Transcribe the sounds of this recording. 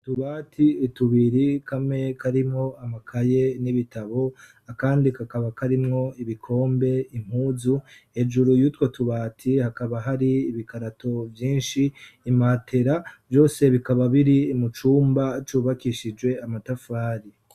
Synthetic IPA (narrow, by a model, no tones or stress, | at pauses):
tuβaːtʰiːtuβiɾikʰame̞kaɾimŋo̞amakʰaje̞niβitaβo̞ | akaːndikakaβakaɾimŋo̞iβikʰo̞ːmbe̞im̥huːzuhe̞d͡ʒuɾujutwotuβaːtʰihakaβaɦaɾiːβikaɾato̞vjiːnʃiːmaːtʰe̞ɾavjo̞ːse̞βikaβaβiɾiːmut͡ʃuːmbat͡ʃuːβakiʃid͡ʒɡwe̞amatafaːɾi